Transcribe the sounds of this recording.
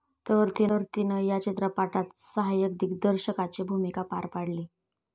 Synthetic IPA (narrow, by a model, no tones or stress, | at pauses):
t̪əɾt̪iəɾt̪inəjat͡ɕet̪ɾəpaʈat̪səɦajək̚d̪ikd̪əɾɕəkat͡ɕebʱumikapa̰ɾpaɽliː